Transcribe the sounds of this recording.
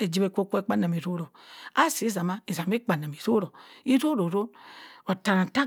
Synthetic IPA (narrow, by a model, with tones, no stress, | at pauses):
e˨d͡ʒi˦be˨ko˦kʷo˦e˦k͡pa˦na˨mi˨ɾo˦ɾo˨a˦si˨˦za˨ma˦i˨za˨mi˦k͡pa˨na˨mi˨ɾo˦ɾo˨i˦ɾo˦ɾo˨ɾo˦o˨ta˨ɾa˨ta˦